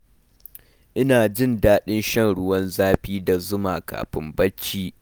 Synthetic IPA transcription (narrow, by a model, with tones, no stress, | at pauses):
ʔɪ˦naː˨d͡ʒɪ˦˨ndaː˦ɗɪ˦nʃɐ˦˨nɽʊ˦wɐ˦nzaː˦ɸiː˦da˨zʊ˦maː˨ka̰ː˨ɸɪ˦mbɐ˦t͡ʃːiː˦